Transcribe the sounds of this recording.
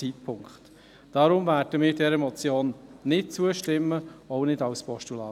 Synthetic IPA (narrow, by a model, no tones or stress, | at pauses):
it̚pʰʊŋkχt | d̥ɑɾʊmvæːrd̥əmɪːɾdɛɾəmɔt͡sjoːnːɪt̚t͡suəʃtɪmːəɔʊnɪdɑwspɔʃtulɑː